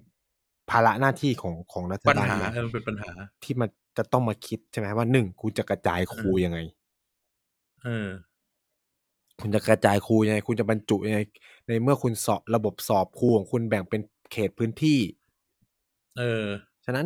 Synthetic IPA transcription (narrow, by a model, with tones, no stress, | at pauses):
pʰaː˧la˦˥ʔnaː˥˩t̪ʰiː˥˩kʰɔː˩˦ŋkʰɔː˩˦ŋna˦˥t̪ʰːa˧baː˧˩˨ʔɤː˧pʰi˨˩˦pa˧nɦaː˩˦t̪ʰiː˥˩ma˧n | t͡ɕa˨˩t̪ɔ˥˩ŋmaː˧kʰi˦˥t̪̚t͡ɕʰe˥˩ma˦˥jwaː˥˩nɯ˨˩ŋkʰu˧nt͡ɕa˨˩ka˧t͡ɕaː˧jkʰuː˧ja˧ŋa˧j | ʔɤː˧ | kʰu˧nt͡ɕa˨˩ka˧t͡ɕaː˧jkʰuː˧ja˧ŋa˧jkʰu˧nt͡ɕa˨˩ba˧nt͡ɕu˨˩ʔja˧ŋa˧j | na˧jmɯ˥˩ɐkʰu˧nsɔː˨˩ɾa˧bo˨˩p̚sɔː˨˩p̚kʰuː˧˨ŋkʰu˧nbɛ˨˩ŋpe˧n | kʰeː˨˩t̪̚pʰɯː˦˥nt̪ʰiː˥˩ | ʔɤː˧ | t͡ɕʰa˧na˦˥